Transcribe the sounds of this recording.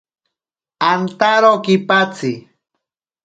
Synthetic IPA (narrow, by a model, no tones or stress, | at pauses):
ant̪aɾokipat͡si